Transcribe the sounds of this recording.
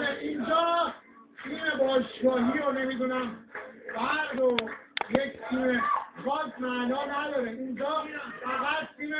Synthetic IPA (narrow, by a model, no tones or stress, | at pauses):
eʔind͡ʒɒː | t̪ʰiːmebɒːʃɡɒːɦiɾonemiːd̪unæmbæɾd̪ojecʰt̪ʰiːmebɒːzmænɒːnæd̪ɒːɾeind͡ʒɒːfæɣæt̪̚t̪ime